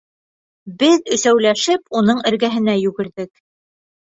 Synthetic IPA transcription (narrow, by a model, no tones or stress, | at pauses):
bɘðɵ̆sæwlæʃɘpunɤɴɘ̆ɾɡæɦɘ̆næjʉɡɘ̆ɾðɘk